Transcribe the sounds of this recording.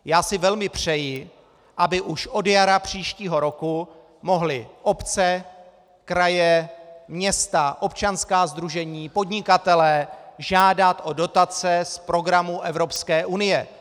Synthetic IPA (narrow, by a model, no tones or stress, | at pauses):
jaːsɪvɛlmɪpr̝̥ɛjɪ | ʔabɪʔuʃʔo̞djaɾapr̝̥iːʃciːɦo̞ɾo̞ku | mo̞ɦlɪʔo̞pt͡sɛ | kɾajɛmɲɛst̪aʔo̞pt͡ʃanskaːzd̪ɾuʒɛɲiːpo̞dɲɪkat̪ɛlɛːʒaːdat̪ʔo̞do̞t̪at͡sɛspɾo̞ɡɾamuʔɛvɾo̞pskɛːʔunɪjɛ